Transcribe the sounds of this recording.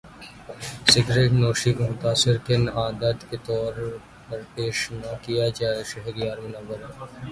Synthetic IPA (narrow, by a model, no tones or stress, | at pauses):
sɪɡɾeːʈnoːʃikomʊt̪aːsɪɾk̪ɪnaːd̪ət̪ket̪ɔːɾ | pɐɾpeːʃnɐkijad͡ʒaːeʃɐɦɾijaːɾmʊnaːbəɾɦɛː